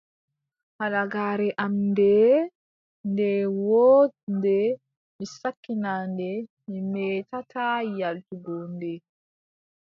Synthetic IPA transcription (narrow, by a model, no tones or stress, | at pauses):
halaɡaːɾɛʔamdɛ | ndɛwɔndɛ | misakːinandɛ | mimɛːtatajaltuɡɔndɛ